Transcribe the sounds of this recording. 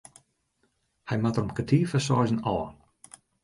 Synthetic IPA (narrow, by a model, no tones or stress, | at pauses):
hajmat̪rəmkətʰiːfəsɔːzənɔ̰ːn